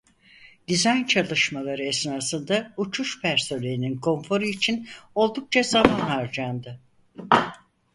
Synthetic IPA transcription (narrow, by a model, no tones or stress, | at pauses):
d̪̥izajnt͡ʃʰalˠɯʃmalˠaɾɯɛsnaːsɯnd̪aut͡ʃʰuʃpʰæɾso̞lʲeininkʰo̞nfo̞ɾɯit͡ʃʰino̞lˠd̪uk̚t͡ʃʰazamanhaɾd͡ʒand̪ɯ